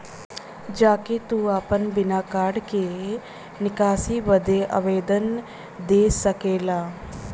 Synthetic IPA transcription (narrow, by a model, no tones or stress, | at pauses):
d͡ʒaːket̪uaːpənbɪnaːkaːɾɖke | nɪkaːsibəd̪eʔə̰ʋeːd̪ən | d̪eːsəkeːlaː